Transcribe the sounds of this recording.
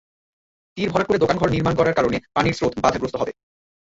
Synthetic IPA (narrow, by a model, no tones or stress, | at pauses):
t̪iɾbʱɔɾaɾkoɾed̪okanɡʱɔɾniɾmankɔɾaɾkaɾonepaniɾsɾot̪ʰbad̪ʱaɡɾost̪oɦɔbe